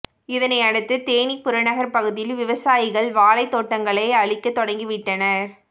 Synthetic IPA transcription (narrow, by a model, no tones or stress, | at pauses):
ɪðɐnɐɪɐɽɯt̪ːɯt̪eːɳipːʊɾɐnɐɣɐɾpɐɣɯðɪjɪlʋɪʋɐsaːjɪɣɐɭʋaːlɐɪt̪ːoːʈːɐŋɡɐɭɐɪɐɭɪkːɐt̪ːɔɽɐŋɡiɪʋɪʈːɐnɐɾ